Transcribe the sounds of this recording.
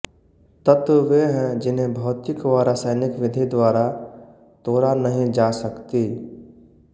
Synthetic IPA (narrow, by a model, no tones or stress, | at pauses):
t̪ət̪ʋeɦɛ̃d͡ʒɪnɦẽbʱɔːt̪ɪkʋaːɾasəːnɪkʋɪd̪ʱid̪waːɾa | t̪oːɾanəɦĩd͡ʒaːsəkt̪iː